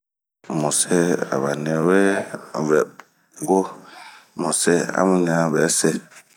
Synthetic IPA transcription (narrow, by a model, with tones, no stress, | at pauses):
mo˨se˦a̰˨βa˨nɛ˨we˦˨vɛ˨p̚ | ŋ˦ɡo˦ | mo˨se˦a̰˦mu˦ɲ˦a˦˨bɛ˨˦se˦